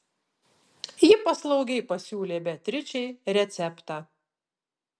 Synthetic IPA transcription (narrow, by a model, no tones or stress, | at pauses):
jɪpɐslˠɒʊɡʲɛɪpɐsʲuːlʲeːbʲɛt̪ʲɾʲɪt͡ʃʲɛɪɾʲɛt̪sʲɛpt̪ɑː